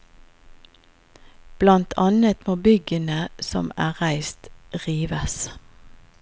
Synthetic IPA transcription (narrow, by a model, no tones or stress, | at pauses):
b̥lɑnt̪ʰɑnət̪moːbʏɡənəsɔ̰mæ̰ːʁæɪst̪ʁiːʋəs